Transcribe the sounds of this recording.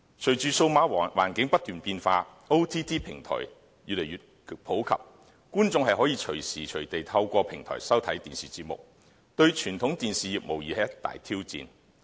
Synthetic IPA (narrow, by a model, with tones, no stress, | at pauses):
t͡ʃʰɵ˨˩t͡ʃyː˨so˧wmaː˨˥˨waː˨˩nkɪ˨˥ŋpɐ˥t̚t̪yː˨npiː˧nfaː˧ | o˥wt̪ʰiː˥t̪ʰiː˥pʰɪ˨˩ŋt̪ʰɔ̰ː˨˩j | jyː˨le˨˩jyː˨t̚ | pʰo˨˥wkʰɐ̰˨p̚ | kuː˥nt͡sʊ˧ŋhɐ˨jɦɔː˨˥jiː˧t͡ʃʰɵ˨˩ɥsiː˨t͡ʃʰɵ˨˩t̪e˨jt̪ʰɐ˧wkʷɔː˧pʰɪ˨˩ŋt̪ʰɔ̰ː˨˩jsɐ˥wt̪ʰɐ˨˥jt̪iː˨nsiː˨t͡siː˧t̚mʊ̰˨k̚ | t̪ɵ˧ɥt͡ʃʰyː˨˩nt̪ʰʊ˨˥ŋt̪iː˨nsiː˨jiː˨˩p̚mo˨wjiː˨hɛ˨˥jɐ˥t̪ːa̰ː˨jt̪ʰiː˥wt͡sḭː˨n